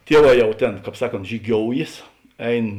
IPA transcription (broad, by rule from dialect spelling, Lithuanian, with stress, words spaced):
ˈtʲiɛˌʋɑː ˈjɛʊ ˈtʲeːn ˈkɑːp ˈsɑːˌkoːnt ʒʲiːˈɡʲoːʊjeːs ˈɛɪn